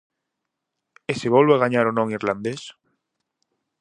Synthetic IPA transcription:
eseβolβaɣaɲaɾonõŋiɾland̪es

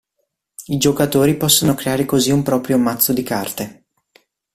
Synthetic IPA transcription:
id͡ʒokat̪oːɾipɔsːonokɾeaːɾekoziumpɾɔːpɾjomat̪sːod̪ikart̪e

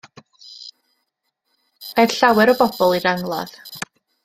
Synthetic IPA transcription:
ɛrɬawɛɾɔbɔb̥ɔlˠiɾaŋlˠa̰ð̥

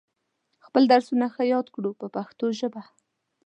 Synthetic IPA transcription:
xpəld̪aɾsunaxəjɑd̪kɽupəpaxt̪oʒəba

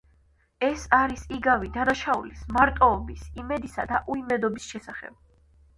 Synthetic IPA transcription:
ɛsaɾisiɡavid̪anaʃaṵlismaɾt̪ʼɔːbisimɛd̪isad̪aʔuimɛd̪ɔbisʃɛsaχɛ̰b̥̚

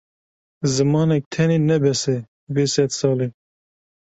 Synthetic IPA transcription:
zɨmɑːnɛk̚t̪ʰɛneːnɛbɛsɛ | beːsɛd̪sɑːleː

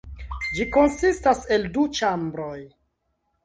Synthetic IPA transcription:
d͡ʒiko̞nsistase̞ldut͡ʃambɾoj

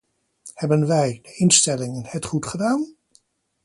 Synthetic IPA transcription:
hɛbənʋɛjdəɪnstɛlɪŋənhɛtχutχədaːn

